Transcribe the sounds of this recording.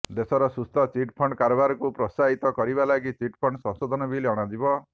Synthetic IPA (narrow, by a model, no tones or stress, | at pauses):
d̪esɔɾɔsust̪ʰɔt͡ʃiʈpʰɔɳɖkaɾɔbaɾɔkupɾɔsaɦit̪ɔkɔɾibalaɡit͡ʃiʈpʰɔɳɖsɔ̃ŋsɔd̪ʱɔnɔbʱileɔɽ̃ad͡ʒibɔ